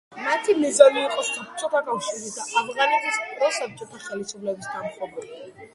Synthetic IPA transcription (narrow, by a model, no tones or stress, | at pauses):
mat̪ʰimɛzɔliːqʼɔstapʰt͡ʃʼɔt̪ʰakʼawʃuzit̪ʰaafʁanit̪ʰispʼɾɔsap̚t͡ʃʼɔt̪ʰaχɛlisublɛbisd̪amχɔbu